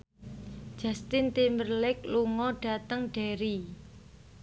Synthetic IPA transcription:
d͡ʒ̥a̤st̪ɪnt̪imərlɪk̚luŋɔɖ̥a̤t̪əŋɖ̥eɾi

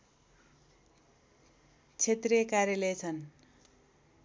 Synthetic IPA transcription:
t͡sʰet̪rijʌkarjʌlejt͡sʰʌn

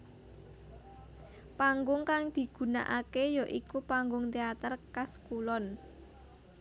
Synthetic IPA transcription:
paŋɡʊŋkaŋd̪̥i̤ɡ̥ṳna̰ʔakejɔʔikupaŋɡʊŋt̪eat̪ərkaskulɔn

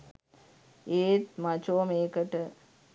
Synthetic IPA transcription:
eːt̪̚mɐt͡ʃoːmeːkɐʈːɨ

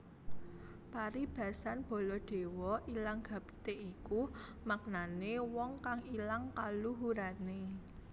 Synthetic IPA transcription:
paɾib̥ä̤sanb̥o̤lɔɖ̪̥e̤wɔʔilaŋɡ̥a̤b̥t̪eʔikumak̚nanewɔŋkaŋilaŋkaluɦuɾane

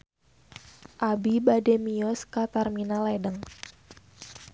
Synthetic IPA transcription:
ʔabibademiɔskat̪arminalɛdəŋ

